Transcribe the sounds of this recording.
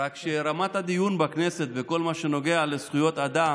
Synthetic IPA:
akʃeɾamat̪had̪ijunbakne̞se̞t̪veko̞lmaʃe̞no̞ɡe̞alesχujo̞t̪ad̪a

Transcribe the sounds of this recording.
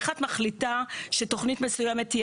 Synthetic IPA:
χatmaχlitaʃeto̞χnitmesujɛmetj

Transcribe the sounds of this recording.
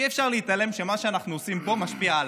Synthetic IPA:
iefʃaʁliit̪ale̞mʃe̞maʃeanaχnuosimpo̞maʃpiaː

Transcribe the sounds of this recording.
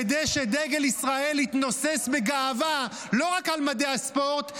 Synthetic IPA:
ed̪ejʃe̞d̪eɡelisʁae̞lit̪nose̞sbeɡaːva | lo̞ʁakalmad̪easpo̞ʁt̪

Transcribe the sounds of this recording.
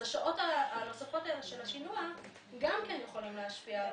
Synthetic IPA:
aʃaʔo̞taːno̞safo̞taeleʃe̞laʃinua | ɡamkenjeχolimleaʃpia

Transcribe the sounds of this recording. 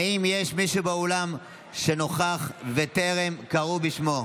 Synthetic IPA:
aimjeʃmiʃubeolam | ʃe̞no̞χaχve̞t̪e̞ʁemkaʁubiʃmo̞

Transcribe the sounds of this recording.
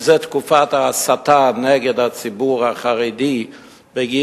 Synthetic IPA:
zɛtkufataasatanɛɡədat͡sibuːɾaχaɾidiː | bəɡi

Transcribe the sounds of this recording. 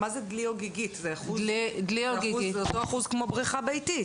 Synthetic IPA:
mazed̪lioɡiɡit̪zeaχuzlidlioɡieotoaχuzkmobʁiχabejtit

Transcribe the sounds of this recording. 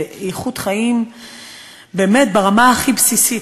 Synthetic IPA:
iχutχaim | beːmet̪̚baʁamaaχibsisi

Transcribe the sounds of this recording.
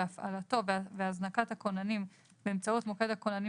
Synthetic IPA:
afa̰lato̞vveaznakat̪hako̞nanim | beːmt͡saut̪moke̞d̪hakonani

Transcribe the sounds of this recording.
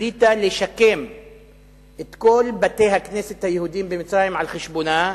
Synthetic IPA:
iːt̪aleʃakːeːm | ʔet̪koːlbat̪eːɦakneːset̪hajhuːd̪iːmbɪmɪt͡sɾaːjɪmʕalxɪʃbunaː

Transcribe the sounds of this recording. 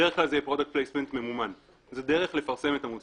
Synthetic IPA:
eʁeχklalzejepʁo̞dakt̚plejsme̞nt̪memuman | zedeʁe̞χle̞faʁse̞me̞tamus

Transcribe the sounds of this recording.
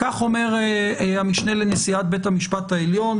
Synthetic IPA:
kaχo̞me̞ʁamiʃne̞lenesiat̪̚be̞thamiʃpat̪aeljo̞n

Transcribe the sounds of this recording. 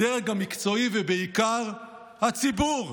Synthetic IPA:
eʁeɡamikt͡so̞ivebeikaʁ | hat͡sibuʁ

